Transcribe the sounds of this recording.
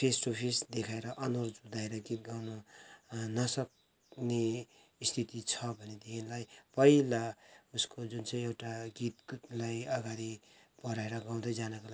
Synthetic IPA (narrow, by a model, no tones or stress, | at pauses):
pʰesʈopʰesd̪ekʰaeɾʌʔʌnord͡zud̪aeɾʌɡit̪̚ɡawnʌ | nʌsʌk̚ | ne | st̪ʰit̪it͡sʰʌbʱʌnet̪iɦinlajpʌilauskod͡zunt͡sʌj̃ewʈaɡit̪̚lajʌɡaɾi | b̥ʌɾaeɾʌɡaw̃d̪ʌjd͡zanʌkoa